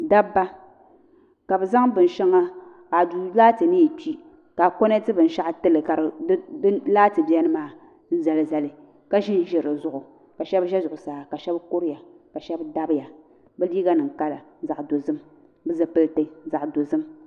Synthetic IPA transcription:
da˦bːa˦ | ka˨bɨ˨za˦ŋbɨ˨n̩˨ʃɛ˦ŋa˦ | ka˨du˨laː˦tɨ˨nɨ˦ji˨ti˦ | ka˨ko˦ne˦tɨ˦bɨ˨n̩˨ʃa˦ʔtɨ˦lɨ˨ka˨ɾlaː˦tɨ˨bi˦ɛ˦nɨ˦maː˦ | n̩˦za˨lɨ˨za˨lɨ˨ | ka˦ʒi˦n˦ʒɛ˨ɾɨ˨zʊ˦ʔʊ˨ | ka˨ʃɛ˦bʒɛ˦zʊ˨ʔʊ˨saː˨˦ka˨ʃɛ˦bko˦ɾɪ˦ja˨ | ka˨ʃɛ˦bda˦bja˨ | bɨ˦li˦ɡa˦nɨ˨ŋ˨ka˦la˨˦za˨ʔdo˨zɨ˦m | bɨ˦za˨pɨ˦lte˦za˨ʔdo˨zɨ˦m

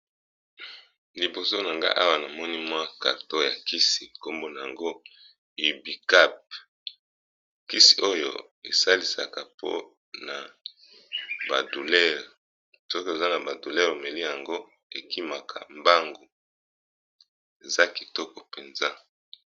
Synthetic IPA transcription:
li˨bo˨so˦na˨ŋɡa̰˦ʔa˦wa˦na˨mɔ˦ni˦mwa˦ka̰˨ʁto˦ja˨ki˦si˨ko˦mbo˦na˨ja˨ŋɡo˦ | i˨bi˨ka˦p̚ | ki˦si̥˨ʔo˦jo̰˦ | ḛ˨sa˦li˨sa̰˨ka˨pʰo̰˦ | na˨ | ba˨du˨lɛ˦ʁ | sɔ˦ke˨za˦na˨ba˨du˨lɛ˦ʁe˨me˨li˦ja˨ŋɡo˦ | e˨ki˦ma˨kʰa̰˨mba˦ŋɡo˨ | e˨za˦ki˨tɔ˦kɔ˨pe˨nza˦

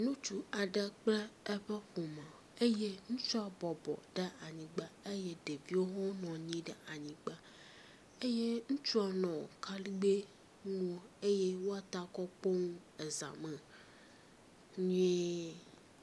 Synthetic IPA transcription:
nũ˦t͡ʃu˦a˨ɖɛ˦k͡plɛ˦ɛ˦ɸɛ˦ɸo˨mɛ˨ | e˦je˦ŋũ˦t͡ʃɔ˦a˨bɔ˨bɔ̰˨ɖɛ˦a˨ɲĩ˨ɡ͡ba˦e˦je˦ɖe˨vi˦wo˦ɦɔ˦nɔ̃˨ɲĩ˦ɖɛ˨a˨ɲĩ˨ɡ͡ba˦ | e˦je˦ŋũ˦t͡ʃɔ˦nɔ̃˨o˨ka˦li˦ɡ͡be˦ | nũ˦o˦e˦je˦wo˦a˨t̪a˦kɔ˦k͡po˦ŋũ˦ | e˨za̰˨mɛ̃˨ | ɲũ˦e˦

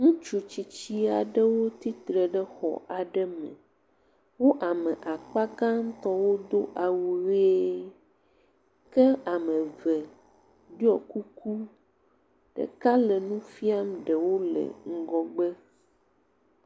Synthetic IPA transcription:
ŋũ˦t͡ʃu˨t͡ɕi˨t͡ɕi˦a˨ɖə˦wo˦t̪i˦t̪ɾe˨ɖɛ˦xɔ̰˨ʔa˨ɖɛ˦mɛ̰˨ | wo˦ʔa˨mɛ̃˨ʔa˨k͡pa˦ɡã˦ŋ̩˦t̪ɔ˦wo˦d̪o˦ʔa˨wu˨ɾe˦ | kɛ˦a˨mə̃˨vɛ˨ | ɖi˦ɔ˨ku˦kʰu˦ | ɖ̥ə̰˨ka˦lɛ˨nũ˦fi˦a˦mɖɛ˨wo˦lɛ̰˨ŋ̩˦ɡɔ˦ɡ͡bə˦

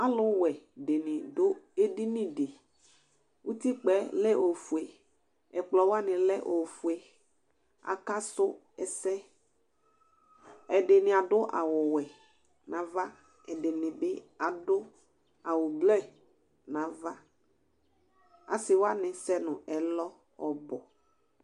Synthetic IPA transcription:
a˦lʊ˨˦wɛ˨de˨nɪ̃˨dʊ˦e˦di˦nɪ̃˦de˨ | wu˦t̪i˦k͡pɛ˨˦lɛ˦ʔo˨fu˨e˨ | ɛ˨k͡plɔ˨wa˦nɪ̃˨lɛ˦ʔo˨fu˨e˨ | a̰˨ka˦sʊ˦ | ɛ˦˨sɛ˦ | ɛ˨dɪ˨nɪ̃˨a˨dʊ˦ʔa̰˨wʊ˨wɛ˨ | nã˨va˦ | ɛ˨dɪ˨nɪ̃˨bɪ˦a˨dʊ˦ | a˨wʊ˨blɛ˦ | nã˨va˦ | a̰˨sɪ˨wa˦nɪ̃˨sɛ˦nʊ̃˨ʔɛ˨lɔ˦ | ɔ̰˨bɔ˨

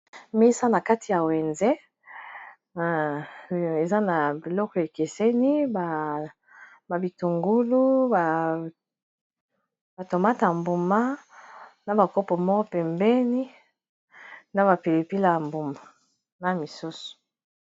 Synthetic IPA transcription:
me˦sa˦na˨ka˦ti˨ja˨we˨nzɛ˦˨ | e˨za˦na˨bi˨lɔ˦kɔ˦˨e˨ke˨se˦ni˦ba˨ | ba˨bi˨tu˨ŋɡu˦lu˦ba˨ | b̥a˨to˨ma˦ta˨mbu˨ma˦ | na˨ba˨ko˦pɔ˨mɔ˦ɔ˦pɛ˨mbɛ˦ni˦ | na˦βa˨pe˨le˨pi˦la˨mbu˨ma˨ | na˨mi˨su˦so̥˨

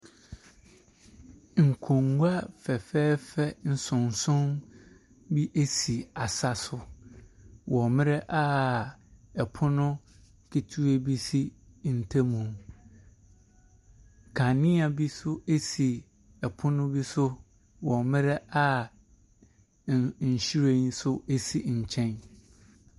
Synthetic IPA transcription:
ŋ̩˨kʰõ˨ŋɡu˦a˦fɛ˨fɛː˦fɛ˦n̩˨sʊ̃˨n˨sʊ̃˦m | bi˦ʔe˦si˨a˨sa˨sʊ˦ | wʔɔ˨mɪ̃˦ɾɛ˦ʔa˦ | ɛ˨pʰʊ˦nʊ̃˦ | kʰi˨tʰu˦e˦bi˦si˦ | n̩˨tʰa˦mũ˨m | kʰa˨nɪ̃˦a˨bi˦sʊ˦e˦si˨ | ɛ˨pʰʊ˦nʊ̃˦bi˦sʊ˦ | wɔ˨mɪ̃˦ɾɛ˦a˦ | ɲ̩˨ɕi˦ɾe˦n˦sʊ˦e˦si˨ɲ̩˨t͡ɕʰɛ̃˦n

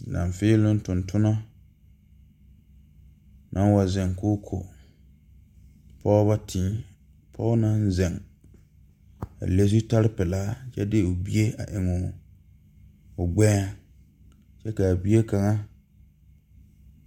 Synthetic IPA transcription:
nã̰˨ɱ˨fɪː˦lʊ˦n˦tʊ̃˨ntʰʊ˦na˦ | nʔa˦n˦wa˨zɛ˨ŋkʊ˦kʰo̰˨ | pʰɔ˦βa˦tʰĩː˨˦ | pʰɔː˦ʊ˦na˦n˦zɛ˨ŋ | a̰˨le˦s̬i˦ta˦ɾɪ˦pɛ˨laː˦t͡ʃɛ̰˦dɪ˦ʊ˨bi˦e˦a̰˨ʔɪ˨mʊ˨ | ʊ˨ɡ͡bɛː˦˨ | t͡ʃɛ˦ka˨bi˦e˦ka˨ŋa˦

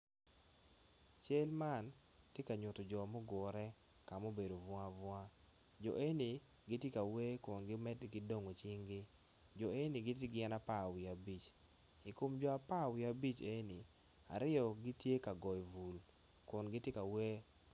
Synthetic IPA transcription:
t͡ʃe˦lma˦˨n | tje˦ka˨ɲʊ˨to˨d͡ʒɔ˨mo˦ɡɔ˨ɾɛ˦ | ka˨mo˦be˨do˨vwa˦vwa˦ | d͡ʒɔ̰˨ʔe˦ni˨ | ɡɪ˦tje˦ka˨we˦kʊ˨nɡɪ˦mɛ˦dɡɪ˦do˦ŋo˨t͡ʃi˦ŋɡɪ˦ | d͡ʒɔ˨e˦ni˨ɡɪ˦t̬ɪ˦ɡɪ˦ɛ˦na˦pa˦˨wi˨a˨bi˨t͡ʃ | i˨ko˨md͡ʒɔ˨a˨pa˦wi˨a˨bi˦t͡ʃe˦ni˨ | a̰˨ɾɪ˦ɔ˨ɡi˦tje˦ka˨ɡɔ˨jvu˨l | kʊ˨nɡɪ˦tje˦ka˨we˦

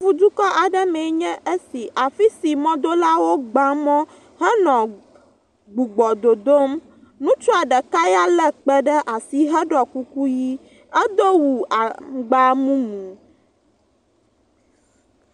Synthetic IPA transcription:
vu˨d̪u˦kɔ˦ʔa˨ɖɛ˦mɛ˨˦ɲɛ̃˦ʔe˦si˨ʔa˨fi˦si˨mɔ̃˦d̪o˦la˦wo˦ɡ͡ba˦mɔ̃˦ | ɦɛ˦nɔ̃˨ | ɡ͡bu˨ɡ͡bɔ˨d̪o˨d̪o˦m | nũ˦t͡ʃɔ˦a˨ɖɛ˨ka˦ja˦lɛ˦k͡pɛ˦ɖɛ˦ʔa˨si˨ɦɛ˦ɖɔ˨ku˦ku˦ji˦ | ɛ˦d̪o˦wu˨a˨ɡ͡ba˦mũ˦mũ˨

